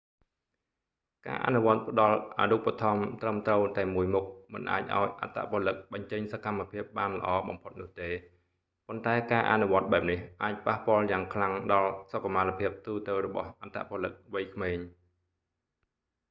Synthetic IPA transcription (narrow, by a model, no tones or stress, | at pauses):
ka̰ːʔa̰nuʋŏət̪̚pə̆ɗɑlʔa̰ːnupat̪ʰɑmt̪rəmt̪rəwt̪aɛmuəjmuk̚mɨ̰nʔa̰ːc̚ʔa̰ɔjʔa̰t̪ʰːa̰ʔpŏəlɨk̚ɓɑɲt͡ɕəɲsakamːapʰiəp̚ɓaːnlə̰̆ʔɑːɓɑ̰mpʰot̪̚nʊ̆əht̪eː | pont̪aɛkaːʔa̰nuʋŏət̪̚ɓaɛp̚nihʔaːc̚pahpŏəljaːŋkʰlaŋɗɑlsokːamalapʰiəp̚t̪uːt̪ɨwrɔɓɑ̰hʔat̪ʰːa̰ʔpŏəlɨk̚ʋəjkʰmeːɲ